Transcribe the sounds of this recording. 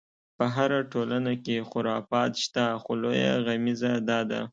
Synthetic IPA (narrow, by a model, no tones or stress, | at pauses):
pəɦaɾaʈʰolanakexʊɾɑfɑt̪ʃt̪axoloja̰ɣamizad̪ɑd̪a̰